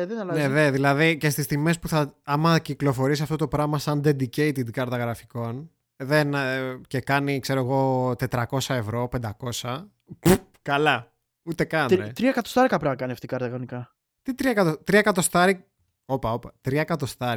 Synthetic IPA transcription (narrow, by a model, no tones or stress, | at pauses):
ðenɐlɐneðeðilɐðice̞st̪ist̪ime̞spuθɐɐmɐciklo̞fo̞ɾisiɐft̪o̞t̪opɾɐmɐsɐnd̪e̞d̪ice̞jt̪id̪kɐɾt̪ɐɣɾɐfiko̞n | ðence̞kɐnikse̞ɾoeɣo̞t̪e̞t̪ɾɐko̞sɐe̞vɾo̞pe̞nd̪ɐko̞sɐ | p | kɐlɐ | ut̪e̞kɐnet̪ɾiɐkɐt̪ost̪ɐɾikɐpɾɐmɐkɐniɐft̪ikɐɾt̪ɐkɐonikɐ | t̪it̪ɾiɐkɐt̪ot̪ɾiɐkɐt̪o̞st̪ɐɾik̚ | opɐo̞pɐt̪ɾiɐkɐt̪o̞st̪ɐɾ